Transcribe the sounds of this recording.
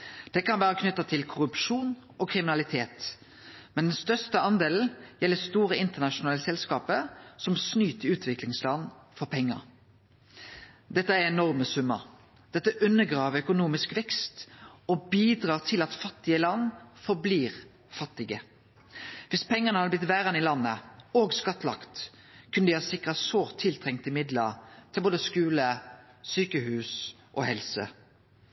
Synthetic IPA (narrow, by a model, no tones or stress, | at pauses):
d̪̥ɛkʰɑnʋæːʁəkʰnʏt̪ːɑt̪ʰɪlkʰʊɾʉpʃuːnɔkʰʁɪmɪnɑlɪt̪ʰeːt̪ | mɛnd̪ɛnst̪œʁst̪əɑnd̪eːln̩jɛlːəst̪uːʁəɪnt̪əʁnɑʃʊnɑːləsɛlskɑːpəsɔmsnyːt̪ʰəʉːt̪ʰʋɪklɪŋslɑnfɔʁpʰɛŋːə̰ʁ | d̪ɛt̪ːəæɾɛnɔʁməsʉmːə̰ | d̪̥ɛt̪ːəʔʉnːəɡʁɑːʋəœkʊnuːmɪskʋɛkst̪ɔbiːd̪ʁɑːʁt̪ʰɪlɑt̪fɑt̪ːɪəlɑnfɔʁbliːʁ | fɑt̪ːɪɡə | ʋɪspʰɛŋːəʁnəhɑd̪əblɪt̪ʋæːʁɑnɪlɑnːəoːɡskɑt̪ːlɑ̰kt̪ | kʰʉnəd̪ɪhɑːsɪkʁɑsoːt̪ʰɪlt̪ʰʁɛŋt̪ɪmɪd̪ləʁt̪ʰɪlboːd̪əskʉːlə | syːkəhʉːs | ʔɔhɛlsə̰